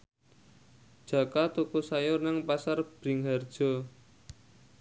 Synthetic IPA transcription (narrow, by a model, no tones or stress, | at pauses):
d̥ʒ̥ä̤kat̪ukusajʊrnaŋpasarb̥ɾi̤ŋɦard̥ʒ̥ɔ̤